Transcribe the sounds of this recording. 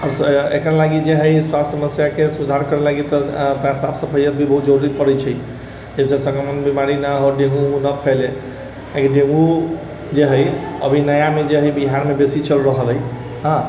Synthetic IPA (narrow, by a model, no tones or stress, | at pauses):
ɔɾḛkɾalaɡid͡ʒeɦəjswasssəməsjakesud̪ʱaɾkəɾelaɡit̪ɔt̪aɦsabsə̃pʰəjət̪̚bʱibəɦut̪̚d͡ʒəɾuɾipəɾɛt͡ʃʰɛj | d͡ʒesesə̃ŋkəmənbimaɾinəɦɔɖeŋɡuũnəpʰele | lakiɖẽŋɡu | d͡ʒeɦəjə̰bʱinəjamed͡ʒeɦəjbiɦaɾmebesit͡ʃəlɾəɦəlɦəj | ɦã